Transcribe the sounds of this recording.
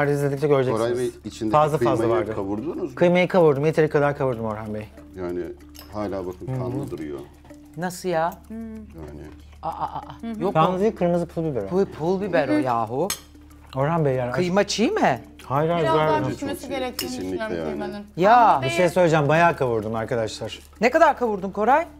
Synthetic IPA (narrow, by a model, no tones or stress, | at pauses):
aɾd̪iizlʲed̪ic̚t͡ʃʰɛøɾd͡ʒɛɾajeit͡ʃʰind̪fazlˠafazlˠavaɾd̪ɯavuɾd̪uːnuzkʰɯjmajɯkʰavuɾd̪umjet̪ʰeɾɛkʰad̪aɾkʰavuɾd̪umo̞ɾhambej | jaːnɪ̰ | haːlʲaːbakʰɯnanlɯd̪ɯɾɯjo̰ | nasɯjaja̰ːnɪ̰ | aʔaʔaʔjokʰanmɯzɯjɯkʰɯɾmɯzɯpʰulˠbibeɾopʰulˠbibeɾojaːɦu | o̞ɾambejaːnkɯjmat͡ʃʰijmɛ | haːjlʲaːɾaɾnaseeɾɛesinlʲija̰ːnjaːbiʃejɛsøjlʲed͡ʒɛmbajaːkʰavuɾd̪umaɾkʰad̪aʃlˠaɾ̥ | nekad̪aɾkʰavuɾd̪umkʰo̞ɾaj